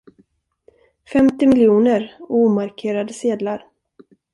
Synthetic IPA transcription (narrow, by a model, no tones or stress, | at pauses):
fɛmt̪ɪmɪljuːnəɾuːmaɾkʰeːɾad̪əseːd̪laɾ